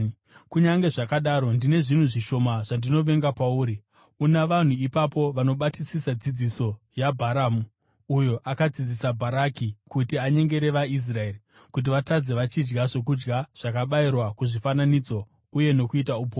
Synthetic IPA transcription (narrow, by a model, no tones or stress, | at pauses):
kuɲaŋɡe̞ʐakaɗaːɾo̞ndine̞ʐin̤uʐiʃo̞maʐ̥andino̞ʋe̞ŋɡapauːɾi | unaʋan̤uipapo̞ʋano̞ɓatisisad͡zid͡ziso̞ | jabʱaɾaːmu | ujo̞ʔakad͡zid͡zisabʱaɾakikutiaɲe̞ŋɡe̞ɾe̞ʋais̬rae̞ːri | kut̬iʋatad͡ze̞ʋat͡ʃid͡ʒɡaʐe̞k̬ud͡ʒɡaʐ̥akaɓairwakuʐifananid͡zo̞ | uje̞no̞kuitaupoː